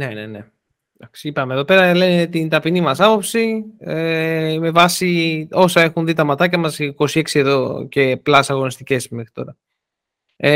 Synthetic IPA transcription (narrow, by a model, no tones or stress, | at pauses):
ne̞ne̞̰ne̞̰ | d̪ɐksi̥ipɐme̞ðo̞pe̞ɾɐle̞net̪int̪ɐpinimɐsɐpo̞psieme̞vɐsio̞sɐe̞xunðit̪ɐmɐt̪ɐcɐmɐsko̞sie̞ksieðo̞ce̞plɐsɐɣo̞nist̪ice̞sme̞xɾit̪o̞ɾɐ | e